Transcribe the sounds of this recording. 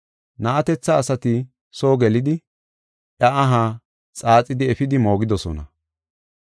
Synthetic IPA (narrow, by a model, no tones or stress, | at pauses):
nɐʔɐt̪ɛt͡sːɐːsɐt̪ɪ | soːɡɛlɪd̪ɪ | ʔɐɐɦaː | t͡sʼaːt͡sʼɪd̪ɪɛfɪd̪ɪmo̞ːɡɪd̪ɔsɔ̰nɐ̰